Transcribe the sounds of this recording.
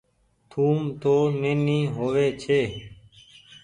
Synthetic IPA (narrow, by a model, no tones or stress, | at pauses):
t̪ʰuːmt̪oːneːniːɦoːʋeːt͡ʃʰeː